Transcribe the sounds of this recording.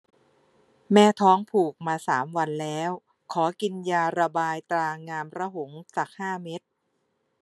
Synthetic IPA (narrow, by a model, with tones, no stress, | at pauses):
mɛː˥˩t̪ʰɔː˦˥ŋpʰuː˨˩k̚maː˧saː˩˦mwa˧nlɛː˦˥w | kʰɔː˩˦ki˧njaː˧ɾa˧baː˧jt̪ɾaː˧ŋaː˧mpɾa˦˧ɦo˩˦ŋsa˨˩k̚haː˥˩me˦˥t̪̚